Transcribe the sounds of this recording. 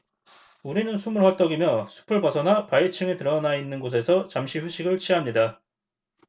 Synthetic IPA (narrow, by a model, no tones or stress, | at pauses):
uɾinɯnsʰumɯɭɸwʌt͈ʌɡimjʌsʰu̥pʰɯɭbʌsʰʌnapat͡ɕʰɯŋetɯɾʌnainːɯnɡos̬ʰe̞sʰʌt͡ɕamɕʰiɸuɕʰiɡɯɭt͡ɕʰiɦamɲida